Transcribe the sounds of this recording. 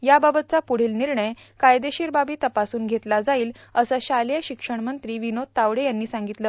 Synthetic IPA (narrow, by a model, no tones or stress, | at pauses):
jababət̪̚t͡sapuɽ̤iːlniɾɳəj | kajd̪eɕiːɾbabiːt̪əpasuːnɡʱet̪lad͡zaiːl | əsəɕaljaɕikʂəɳmənt̪ɾiːʋinod̪̚t̪aʋɽejanːiːsãŋɡit̪ləː